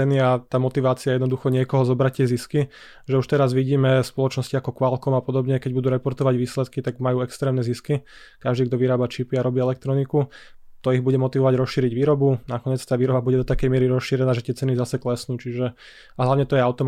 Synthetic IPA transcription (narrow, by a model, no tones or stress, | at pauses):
ɛniat̪aːmɔt̪iʋaːt͡siajɛd̪nɔd̪uxɔɲɪɛkɔɦɔzɔbɾac̚tːɪɛziski | ʒɛuʃt̪ɛɾazʋiɟiːmɛspɔlɔt͡ʃnɔsciakɔkʋalkɔmapɔd̪ɔbɲɛkɛɟ̚bud̪uːɾɛpɔɾt̪ɔʋaɟʋiːslɛt̪kit̪aɡmajuːɛkst̪ɾɛːmnɛziski | kaʒd̪iːɡd̪ɔʋiɾaːbat͡ʃipiaɾɔbiːɛlɛk̚t̪ɾɔnikut̪ɔiɣbuɟɛmɔt̪iʋɔʋaɟɾɔsʃiːɾiɟʋiːɾɔbunakɔɲɛt͡st̪aːʋiːɾɔbabuɟɛd̪ɔt̪akɛjmɪɛɾiɾɔsʃiɾɛnaːʒɛt̪ɪɛt͡sɛnizasɛklɛsnuːt͡ʃiʒɛ | aɦlaʋɲɛt̪ɔjɛaʊt̪ɔm